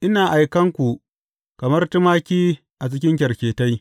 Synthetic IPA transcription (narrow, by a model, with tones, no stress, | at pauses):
ʔɪ˦naː˨ʔa˨jkɐ˦ŋkʷu˨ | kɐ˨mɐ˦rtʊ˦maː˦kʲiː˦ | ʔa˨t͡ʃɪ˦kʲɪ˦ŋk̬ʲɐ˨rkʲeː˨ta˦j